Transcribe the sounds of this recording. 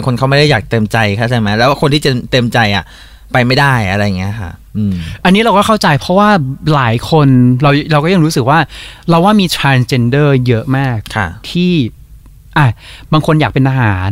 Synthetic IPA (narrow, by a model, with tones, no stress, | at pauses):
a˧ŋkʰo˧nkʰa˦˥˩ma˥˩da˥˩jaː˨˩k̚t̪e˧mt͡ɕa˧jkʰa˥˩t͡ɕʰa˥˩jma˦˥jlɛː˦˥wkʰo˧nt̪ʰiː˥˩t̪e˧mt̪e˧mt͡ɕa˧jʔa̰˨˩ | pa˧jma˥˩jdaː˥˩jʔa˧ɾa˧jːa˨˩ŋi˦˥ɐkʰa̰˥˩ʔɯː˧ʔa˧nːiː˦˥ɾa˧wkɔː˥˩kʰa˥˩wt͡ɕa˧jpʰɾɔ˦˥waː˥˩laː˩˦jkʰo˧nɾa˧wɾa˧wkɔː˥˩ja˧ŋɾu˦˥sɯ˨˩k̚waː˥˩ɾa˧waː˥˩miː˧t̪ʰɾaː˧nst͡ɕe˧ndɤː˥˩jɤ˦˥ʔmaː˥˩k̚kʰa̰˥˩t̪ʰiː˥˩ | ʔa˧˩baː˧ŋkʰo˧njaː˨˩k̚pe˧nʔaː˧ɦaː˩˦n